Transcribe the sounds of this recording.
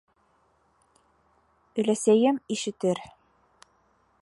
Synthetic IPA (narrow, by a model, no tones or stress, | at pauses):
ɵ̆læsæjɘmiʃɘ̆t̪ɘɾ